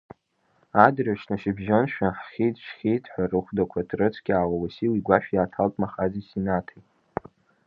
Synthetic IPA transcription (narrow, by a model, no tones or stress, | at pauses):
adraʂnaʃibʒanʃᶣaħχʲitʰʼʃχʲijtʰʼħʷᶣarɨχʷdakʷʰatʰrɨt͡sʰɡ̥ʲaːwawasiliɡʷaʃᶣjaːtʰaltʼmaχazisinatʰajt